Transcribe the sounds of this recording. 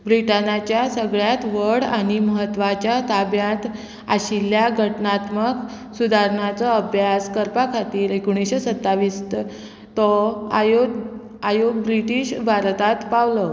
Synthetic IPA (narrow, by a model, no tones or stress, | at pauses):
bɾiʈanat͡ɕjasəɡɭjat̪ʋəɽaɽ̃iməɦət̪ːʋat͡ɕjat̪abjat̪ | aɕilːjaɡʱəʈnat̪mək | sud̪ʱaɾɳat͡sɔəbʱjaskəɾpakʰat̪iːɾekoɽ̃iɕesət̪ːaʋiːst̪ | t̪ɔjo | ajoɡ̚bɾiʈiːɕbʱaɾt̪at̪paʋlɔ